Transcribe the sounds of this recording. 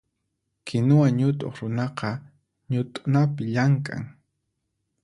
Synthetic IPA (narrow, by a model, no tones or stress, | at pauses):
kʰɪnʊwaɲʊt̪ʼo̰χɾʊnɑqɑ | ɲʊt̪ʼʊ̥napɪʎaŋkʼa̰ŋ